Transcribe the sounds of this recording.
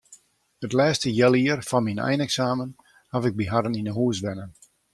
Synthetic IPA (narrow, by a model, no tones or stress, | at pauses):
hətlɛːstəjɛlˠiərfɑnminɛ̰jnɛksaːmən | hafɪɡ̚biɦaɾəninəɦuəsʋɛnən